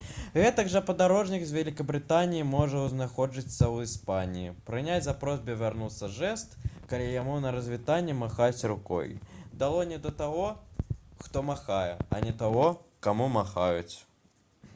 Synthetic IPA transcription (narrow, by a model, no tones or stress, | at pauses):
ɣɛt̪ɐɡʐɐpɐd̪aɾɔʐnʲikzʲvʲɛlʲikɐbɾɨt̪anʲijimɔʐɐwznaxɔʐɨt̪sːɐwispanʲijipɾɨnʲat͡sʲzapɾɔzʲbʲɨvʲarnut̪sːɐʐɛst̪kalʲijamunɐɾɐzʲvʲit̪anʲːɛmaxat͡sʲrukɔ̰jd̪alˠɔnʲɛd̪ɐt̪aɣɔ | xt̪ɔmaxajɛ̰ɐ̰nʲɛt̪aɣɔkamumaxajṵt͡sʲ